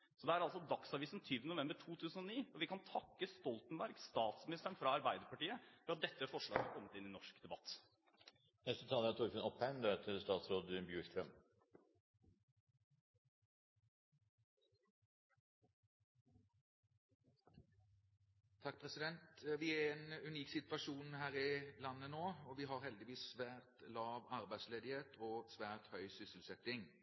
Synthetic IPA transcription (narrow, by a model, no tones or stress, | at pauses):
sɔd̪ɛæɾɑlsɔd̪ɑksɑʋiːsn̩t̪ʰyːʋənʊʋɛmbəʈʰuːt̪ʰʉːsən̩ɔniːɔʋɪkʰɑnt̪ʰɑkːəst̪ɔlt̪ənbæɾɡsst̪ɑːt̪smɪnɪst̪əɳfɾɑɑɾbæɪd̪əɾpɑʈiːəfɔɾɑt̪̚d̪ɛt̪ːəæfɔʂɭɑ̰ːɡəɑkʰɔmːət̪ɪnɪnɔʂkd̪ɛbɑt̪ː | nɛst̪ət̪ʰɑːləæt̪ʰʊɾfənɔphæɪnd̪øt̪ʰɪlst̪ɑːt̪sɾoːd̪bjʉːʃkʰɾœm | t̪ʰɑk̚ːpʰʁɛsɪd̪ɛnt̪ʋɪæɛeːnʉniːksɪt̪ʋɑʂuːnhæːʁɪlɑnːənoːɔʋɪɦɑʁɦɛld̪ɪʋiːsʋæːʁt̪lɑːʋɑʁbæɪd̪sleːd̪ɪheːt̪ʰɔːsʋæːʁt̪hœʏsʏsəl̩sɛt̪ɪŋ